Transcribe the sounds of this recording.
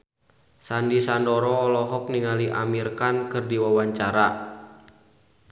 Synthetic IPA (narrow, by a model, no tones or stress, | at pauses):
sandisandɔɾɔːlɔɦɔk̚niŋaliʔa̰mirkankɨrdiwawaɲt͡ʃaɾa